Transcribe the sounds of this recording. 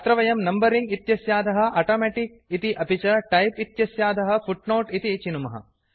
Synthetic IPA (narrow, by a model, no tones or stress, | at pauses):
ɐt̪ɾɐʋɐjɐmnɐmbɐɾiŋɡit̪jɐsjaːd̪ɐɦɐ̆ʔɐːʈoːmɛːʈik̚ | it̪iʔɐpit͡ʃɐʈɐjpit̪jɐsjaːd̪ʱɐɦɐfuʈnoːʈit̪it͡ʃinumɐɦɐ̰